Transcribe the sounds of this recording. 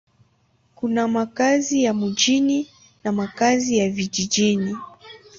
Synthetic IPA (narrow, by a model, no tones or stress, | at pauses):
kunamakazijamuʄini | namakazijaviʄid͡ʒini